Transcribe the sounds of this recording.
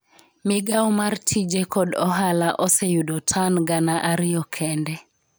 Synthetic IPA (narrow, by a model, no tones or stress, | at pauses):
mɪɡawmartʰid͡ʒekɔdɔɦalaʔɔsejudotʰanɡanaʔaɾɪjɔkʰɛndɛ